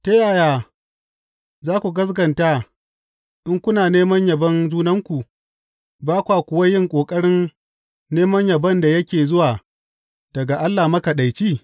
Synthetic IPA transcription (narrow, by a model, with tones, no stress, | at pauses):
te˦jaː˨jaː˨ | zaː˦kʷu˨ɡɐ˦s̬ɡɐ˨nta˦ | ʔɪ˦ŋkʷʊ˦naː˨neː˦mɐ˦ɲjɐ˨bɐ˦nzuː˦nɐ˦ŋkʷu˨ | baː˦kʷaː˨kʷʊ˨wɐ˦jɪ˦ŋkʷʼoː˨kʼɐ˦ɽɪ˦nː | eː˦mɐ˦ɲjɐ˨bɐ˦nda˨jɐ˦kʲeː˨zʊ˦waː˨ | d̥ɐ˨ɡa˨ʔa˦lːaː˨mɐ˦ka˨ɗa˨jt͡ʃiː˦˨